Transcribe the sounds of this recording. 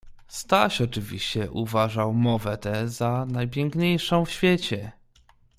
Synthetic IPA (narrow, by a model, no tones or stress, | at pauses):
st̪aɕɔt͡ʂɘvʲḭɕt͡ɕɛʔuvaʐawmɔvɛt̪ɛzanajp̬ʲjɛŋkɲejʂɔ̃w̃fɕfʲjet͡ɕɛ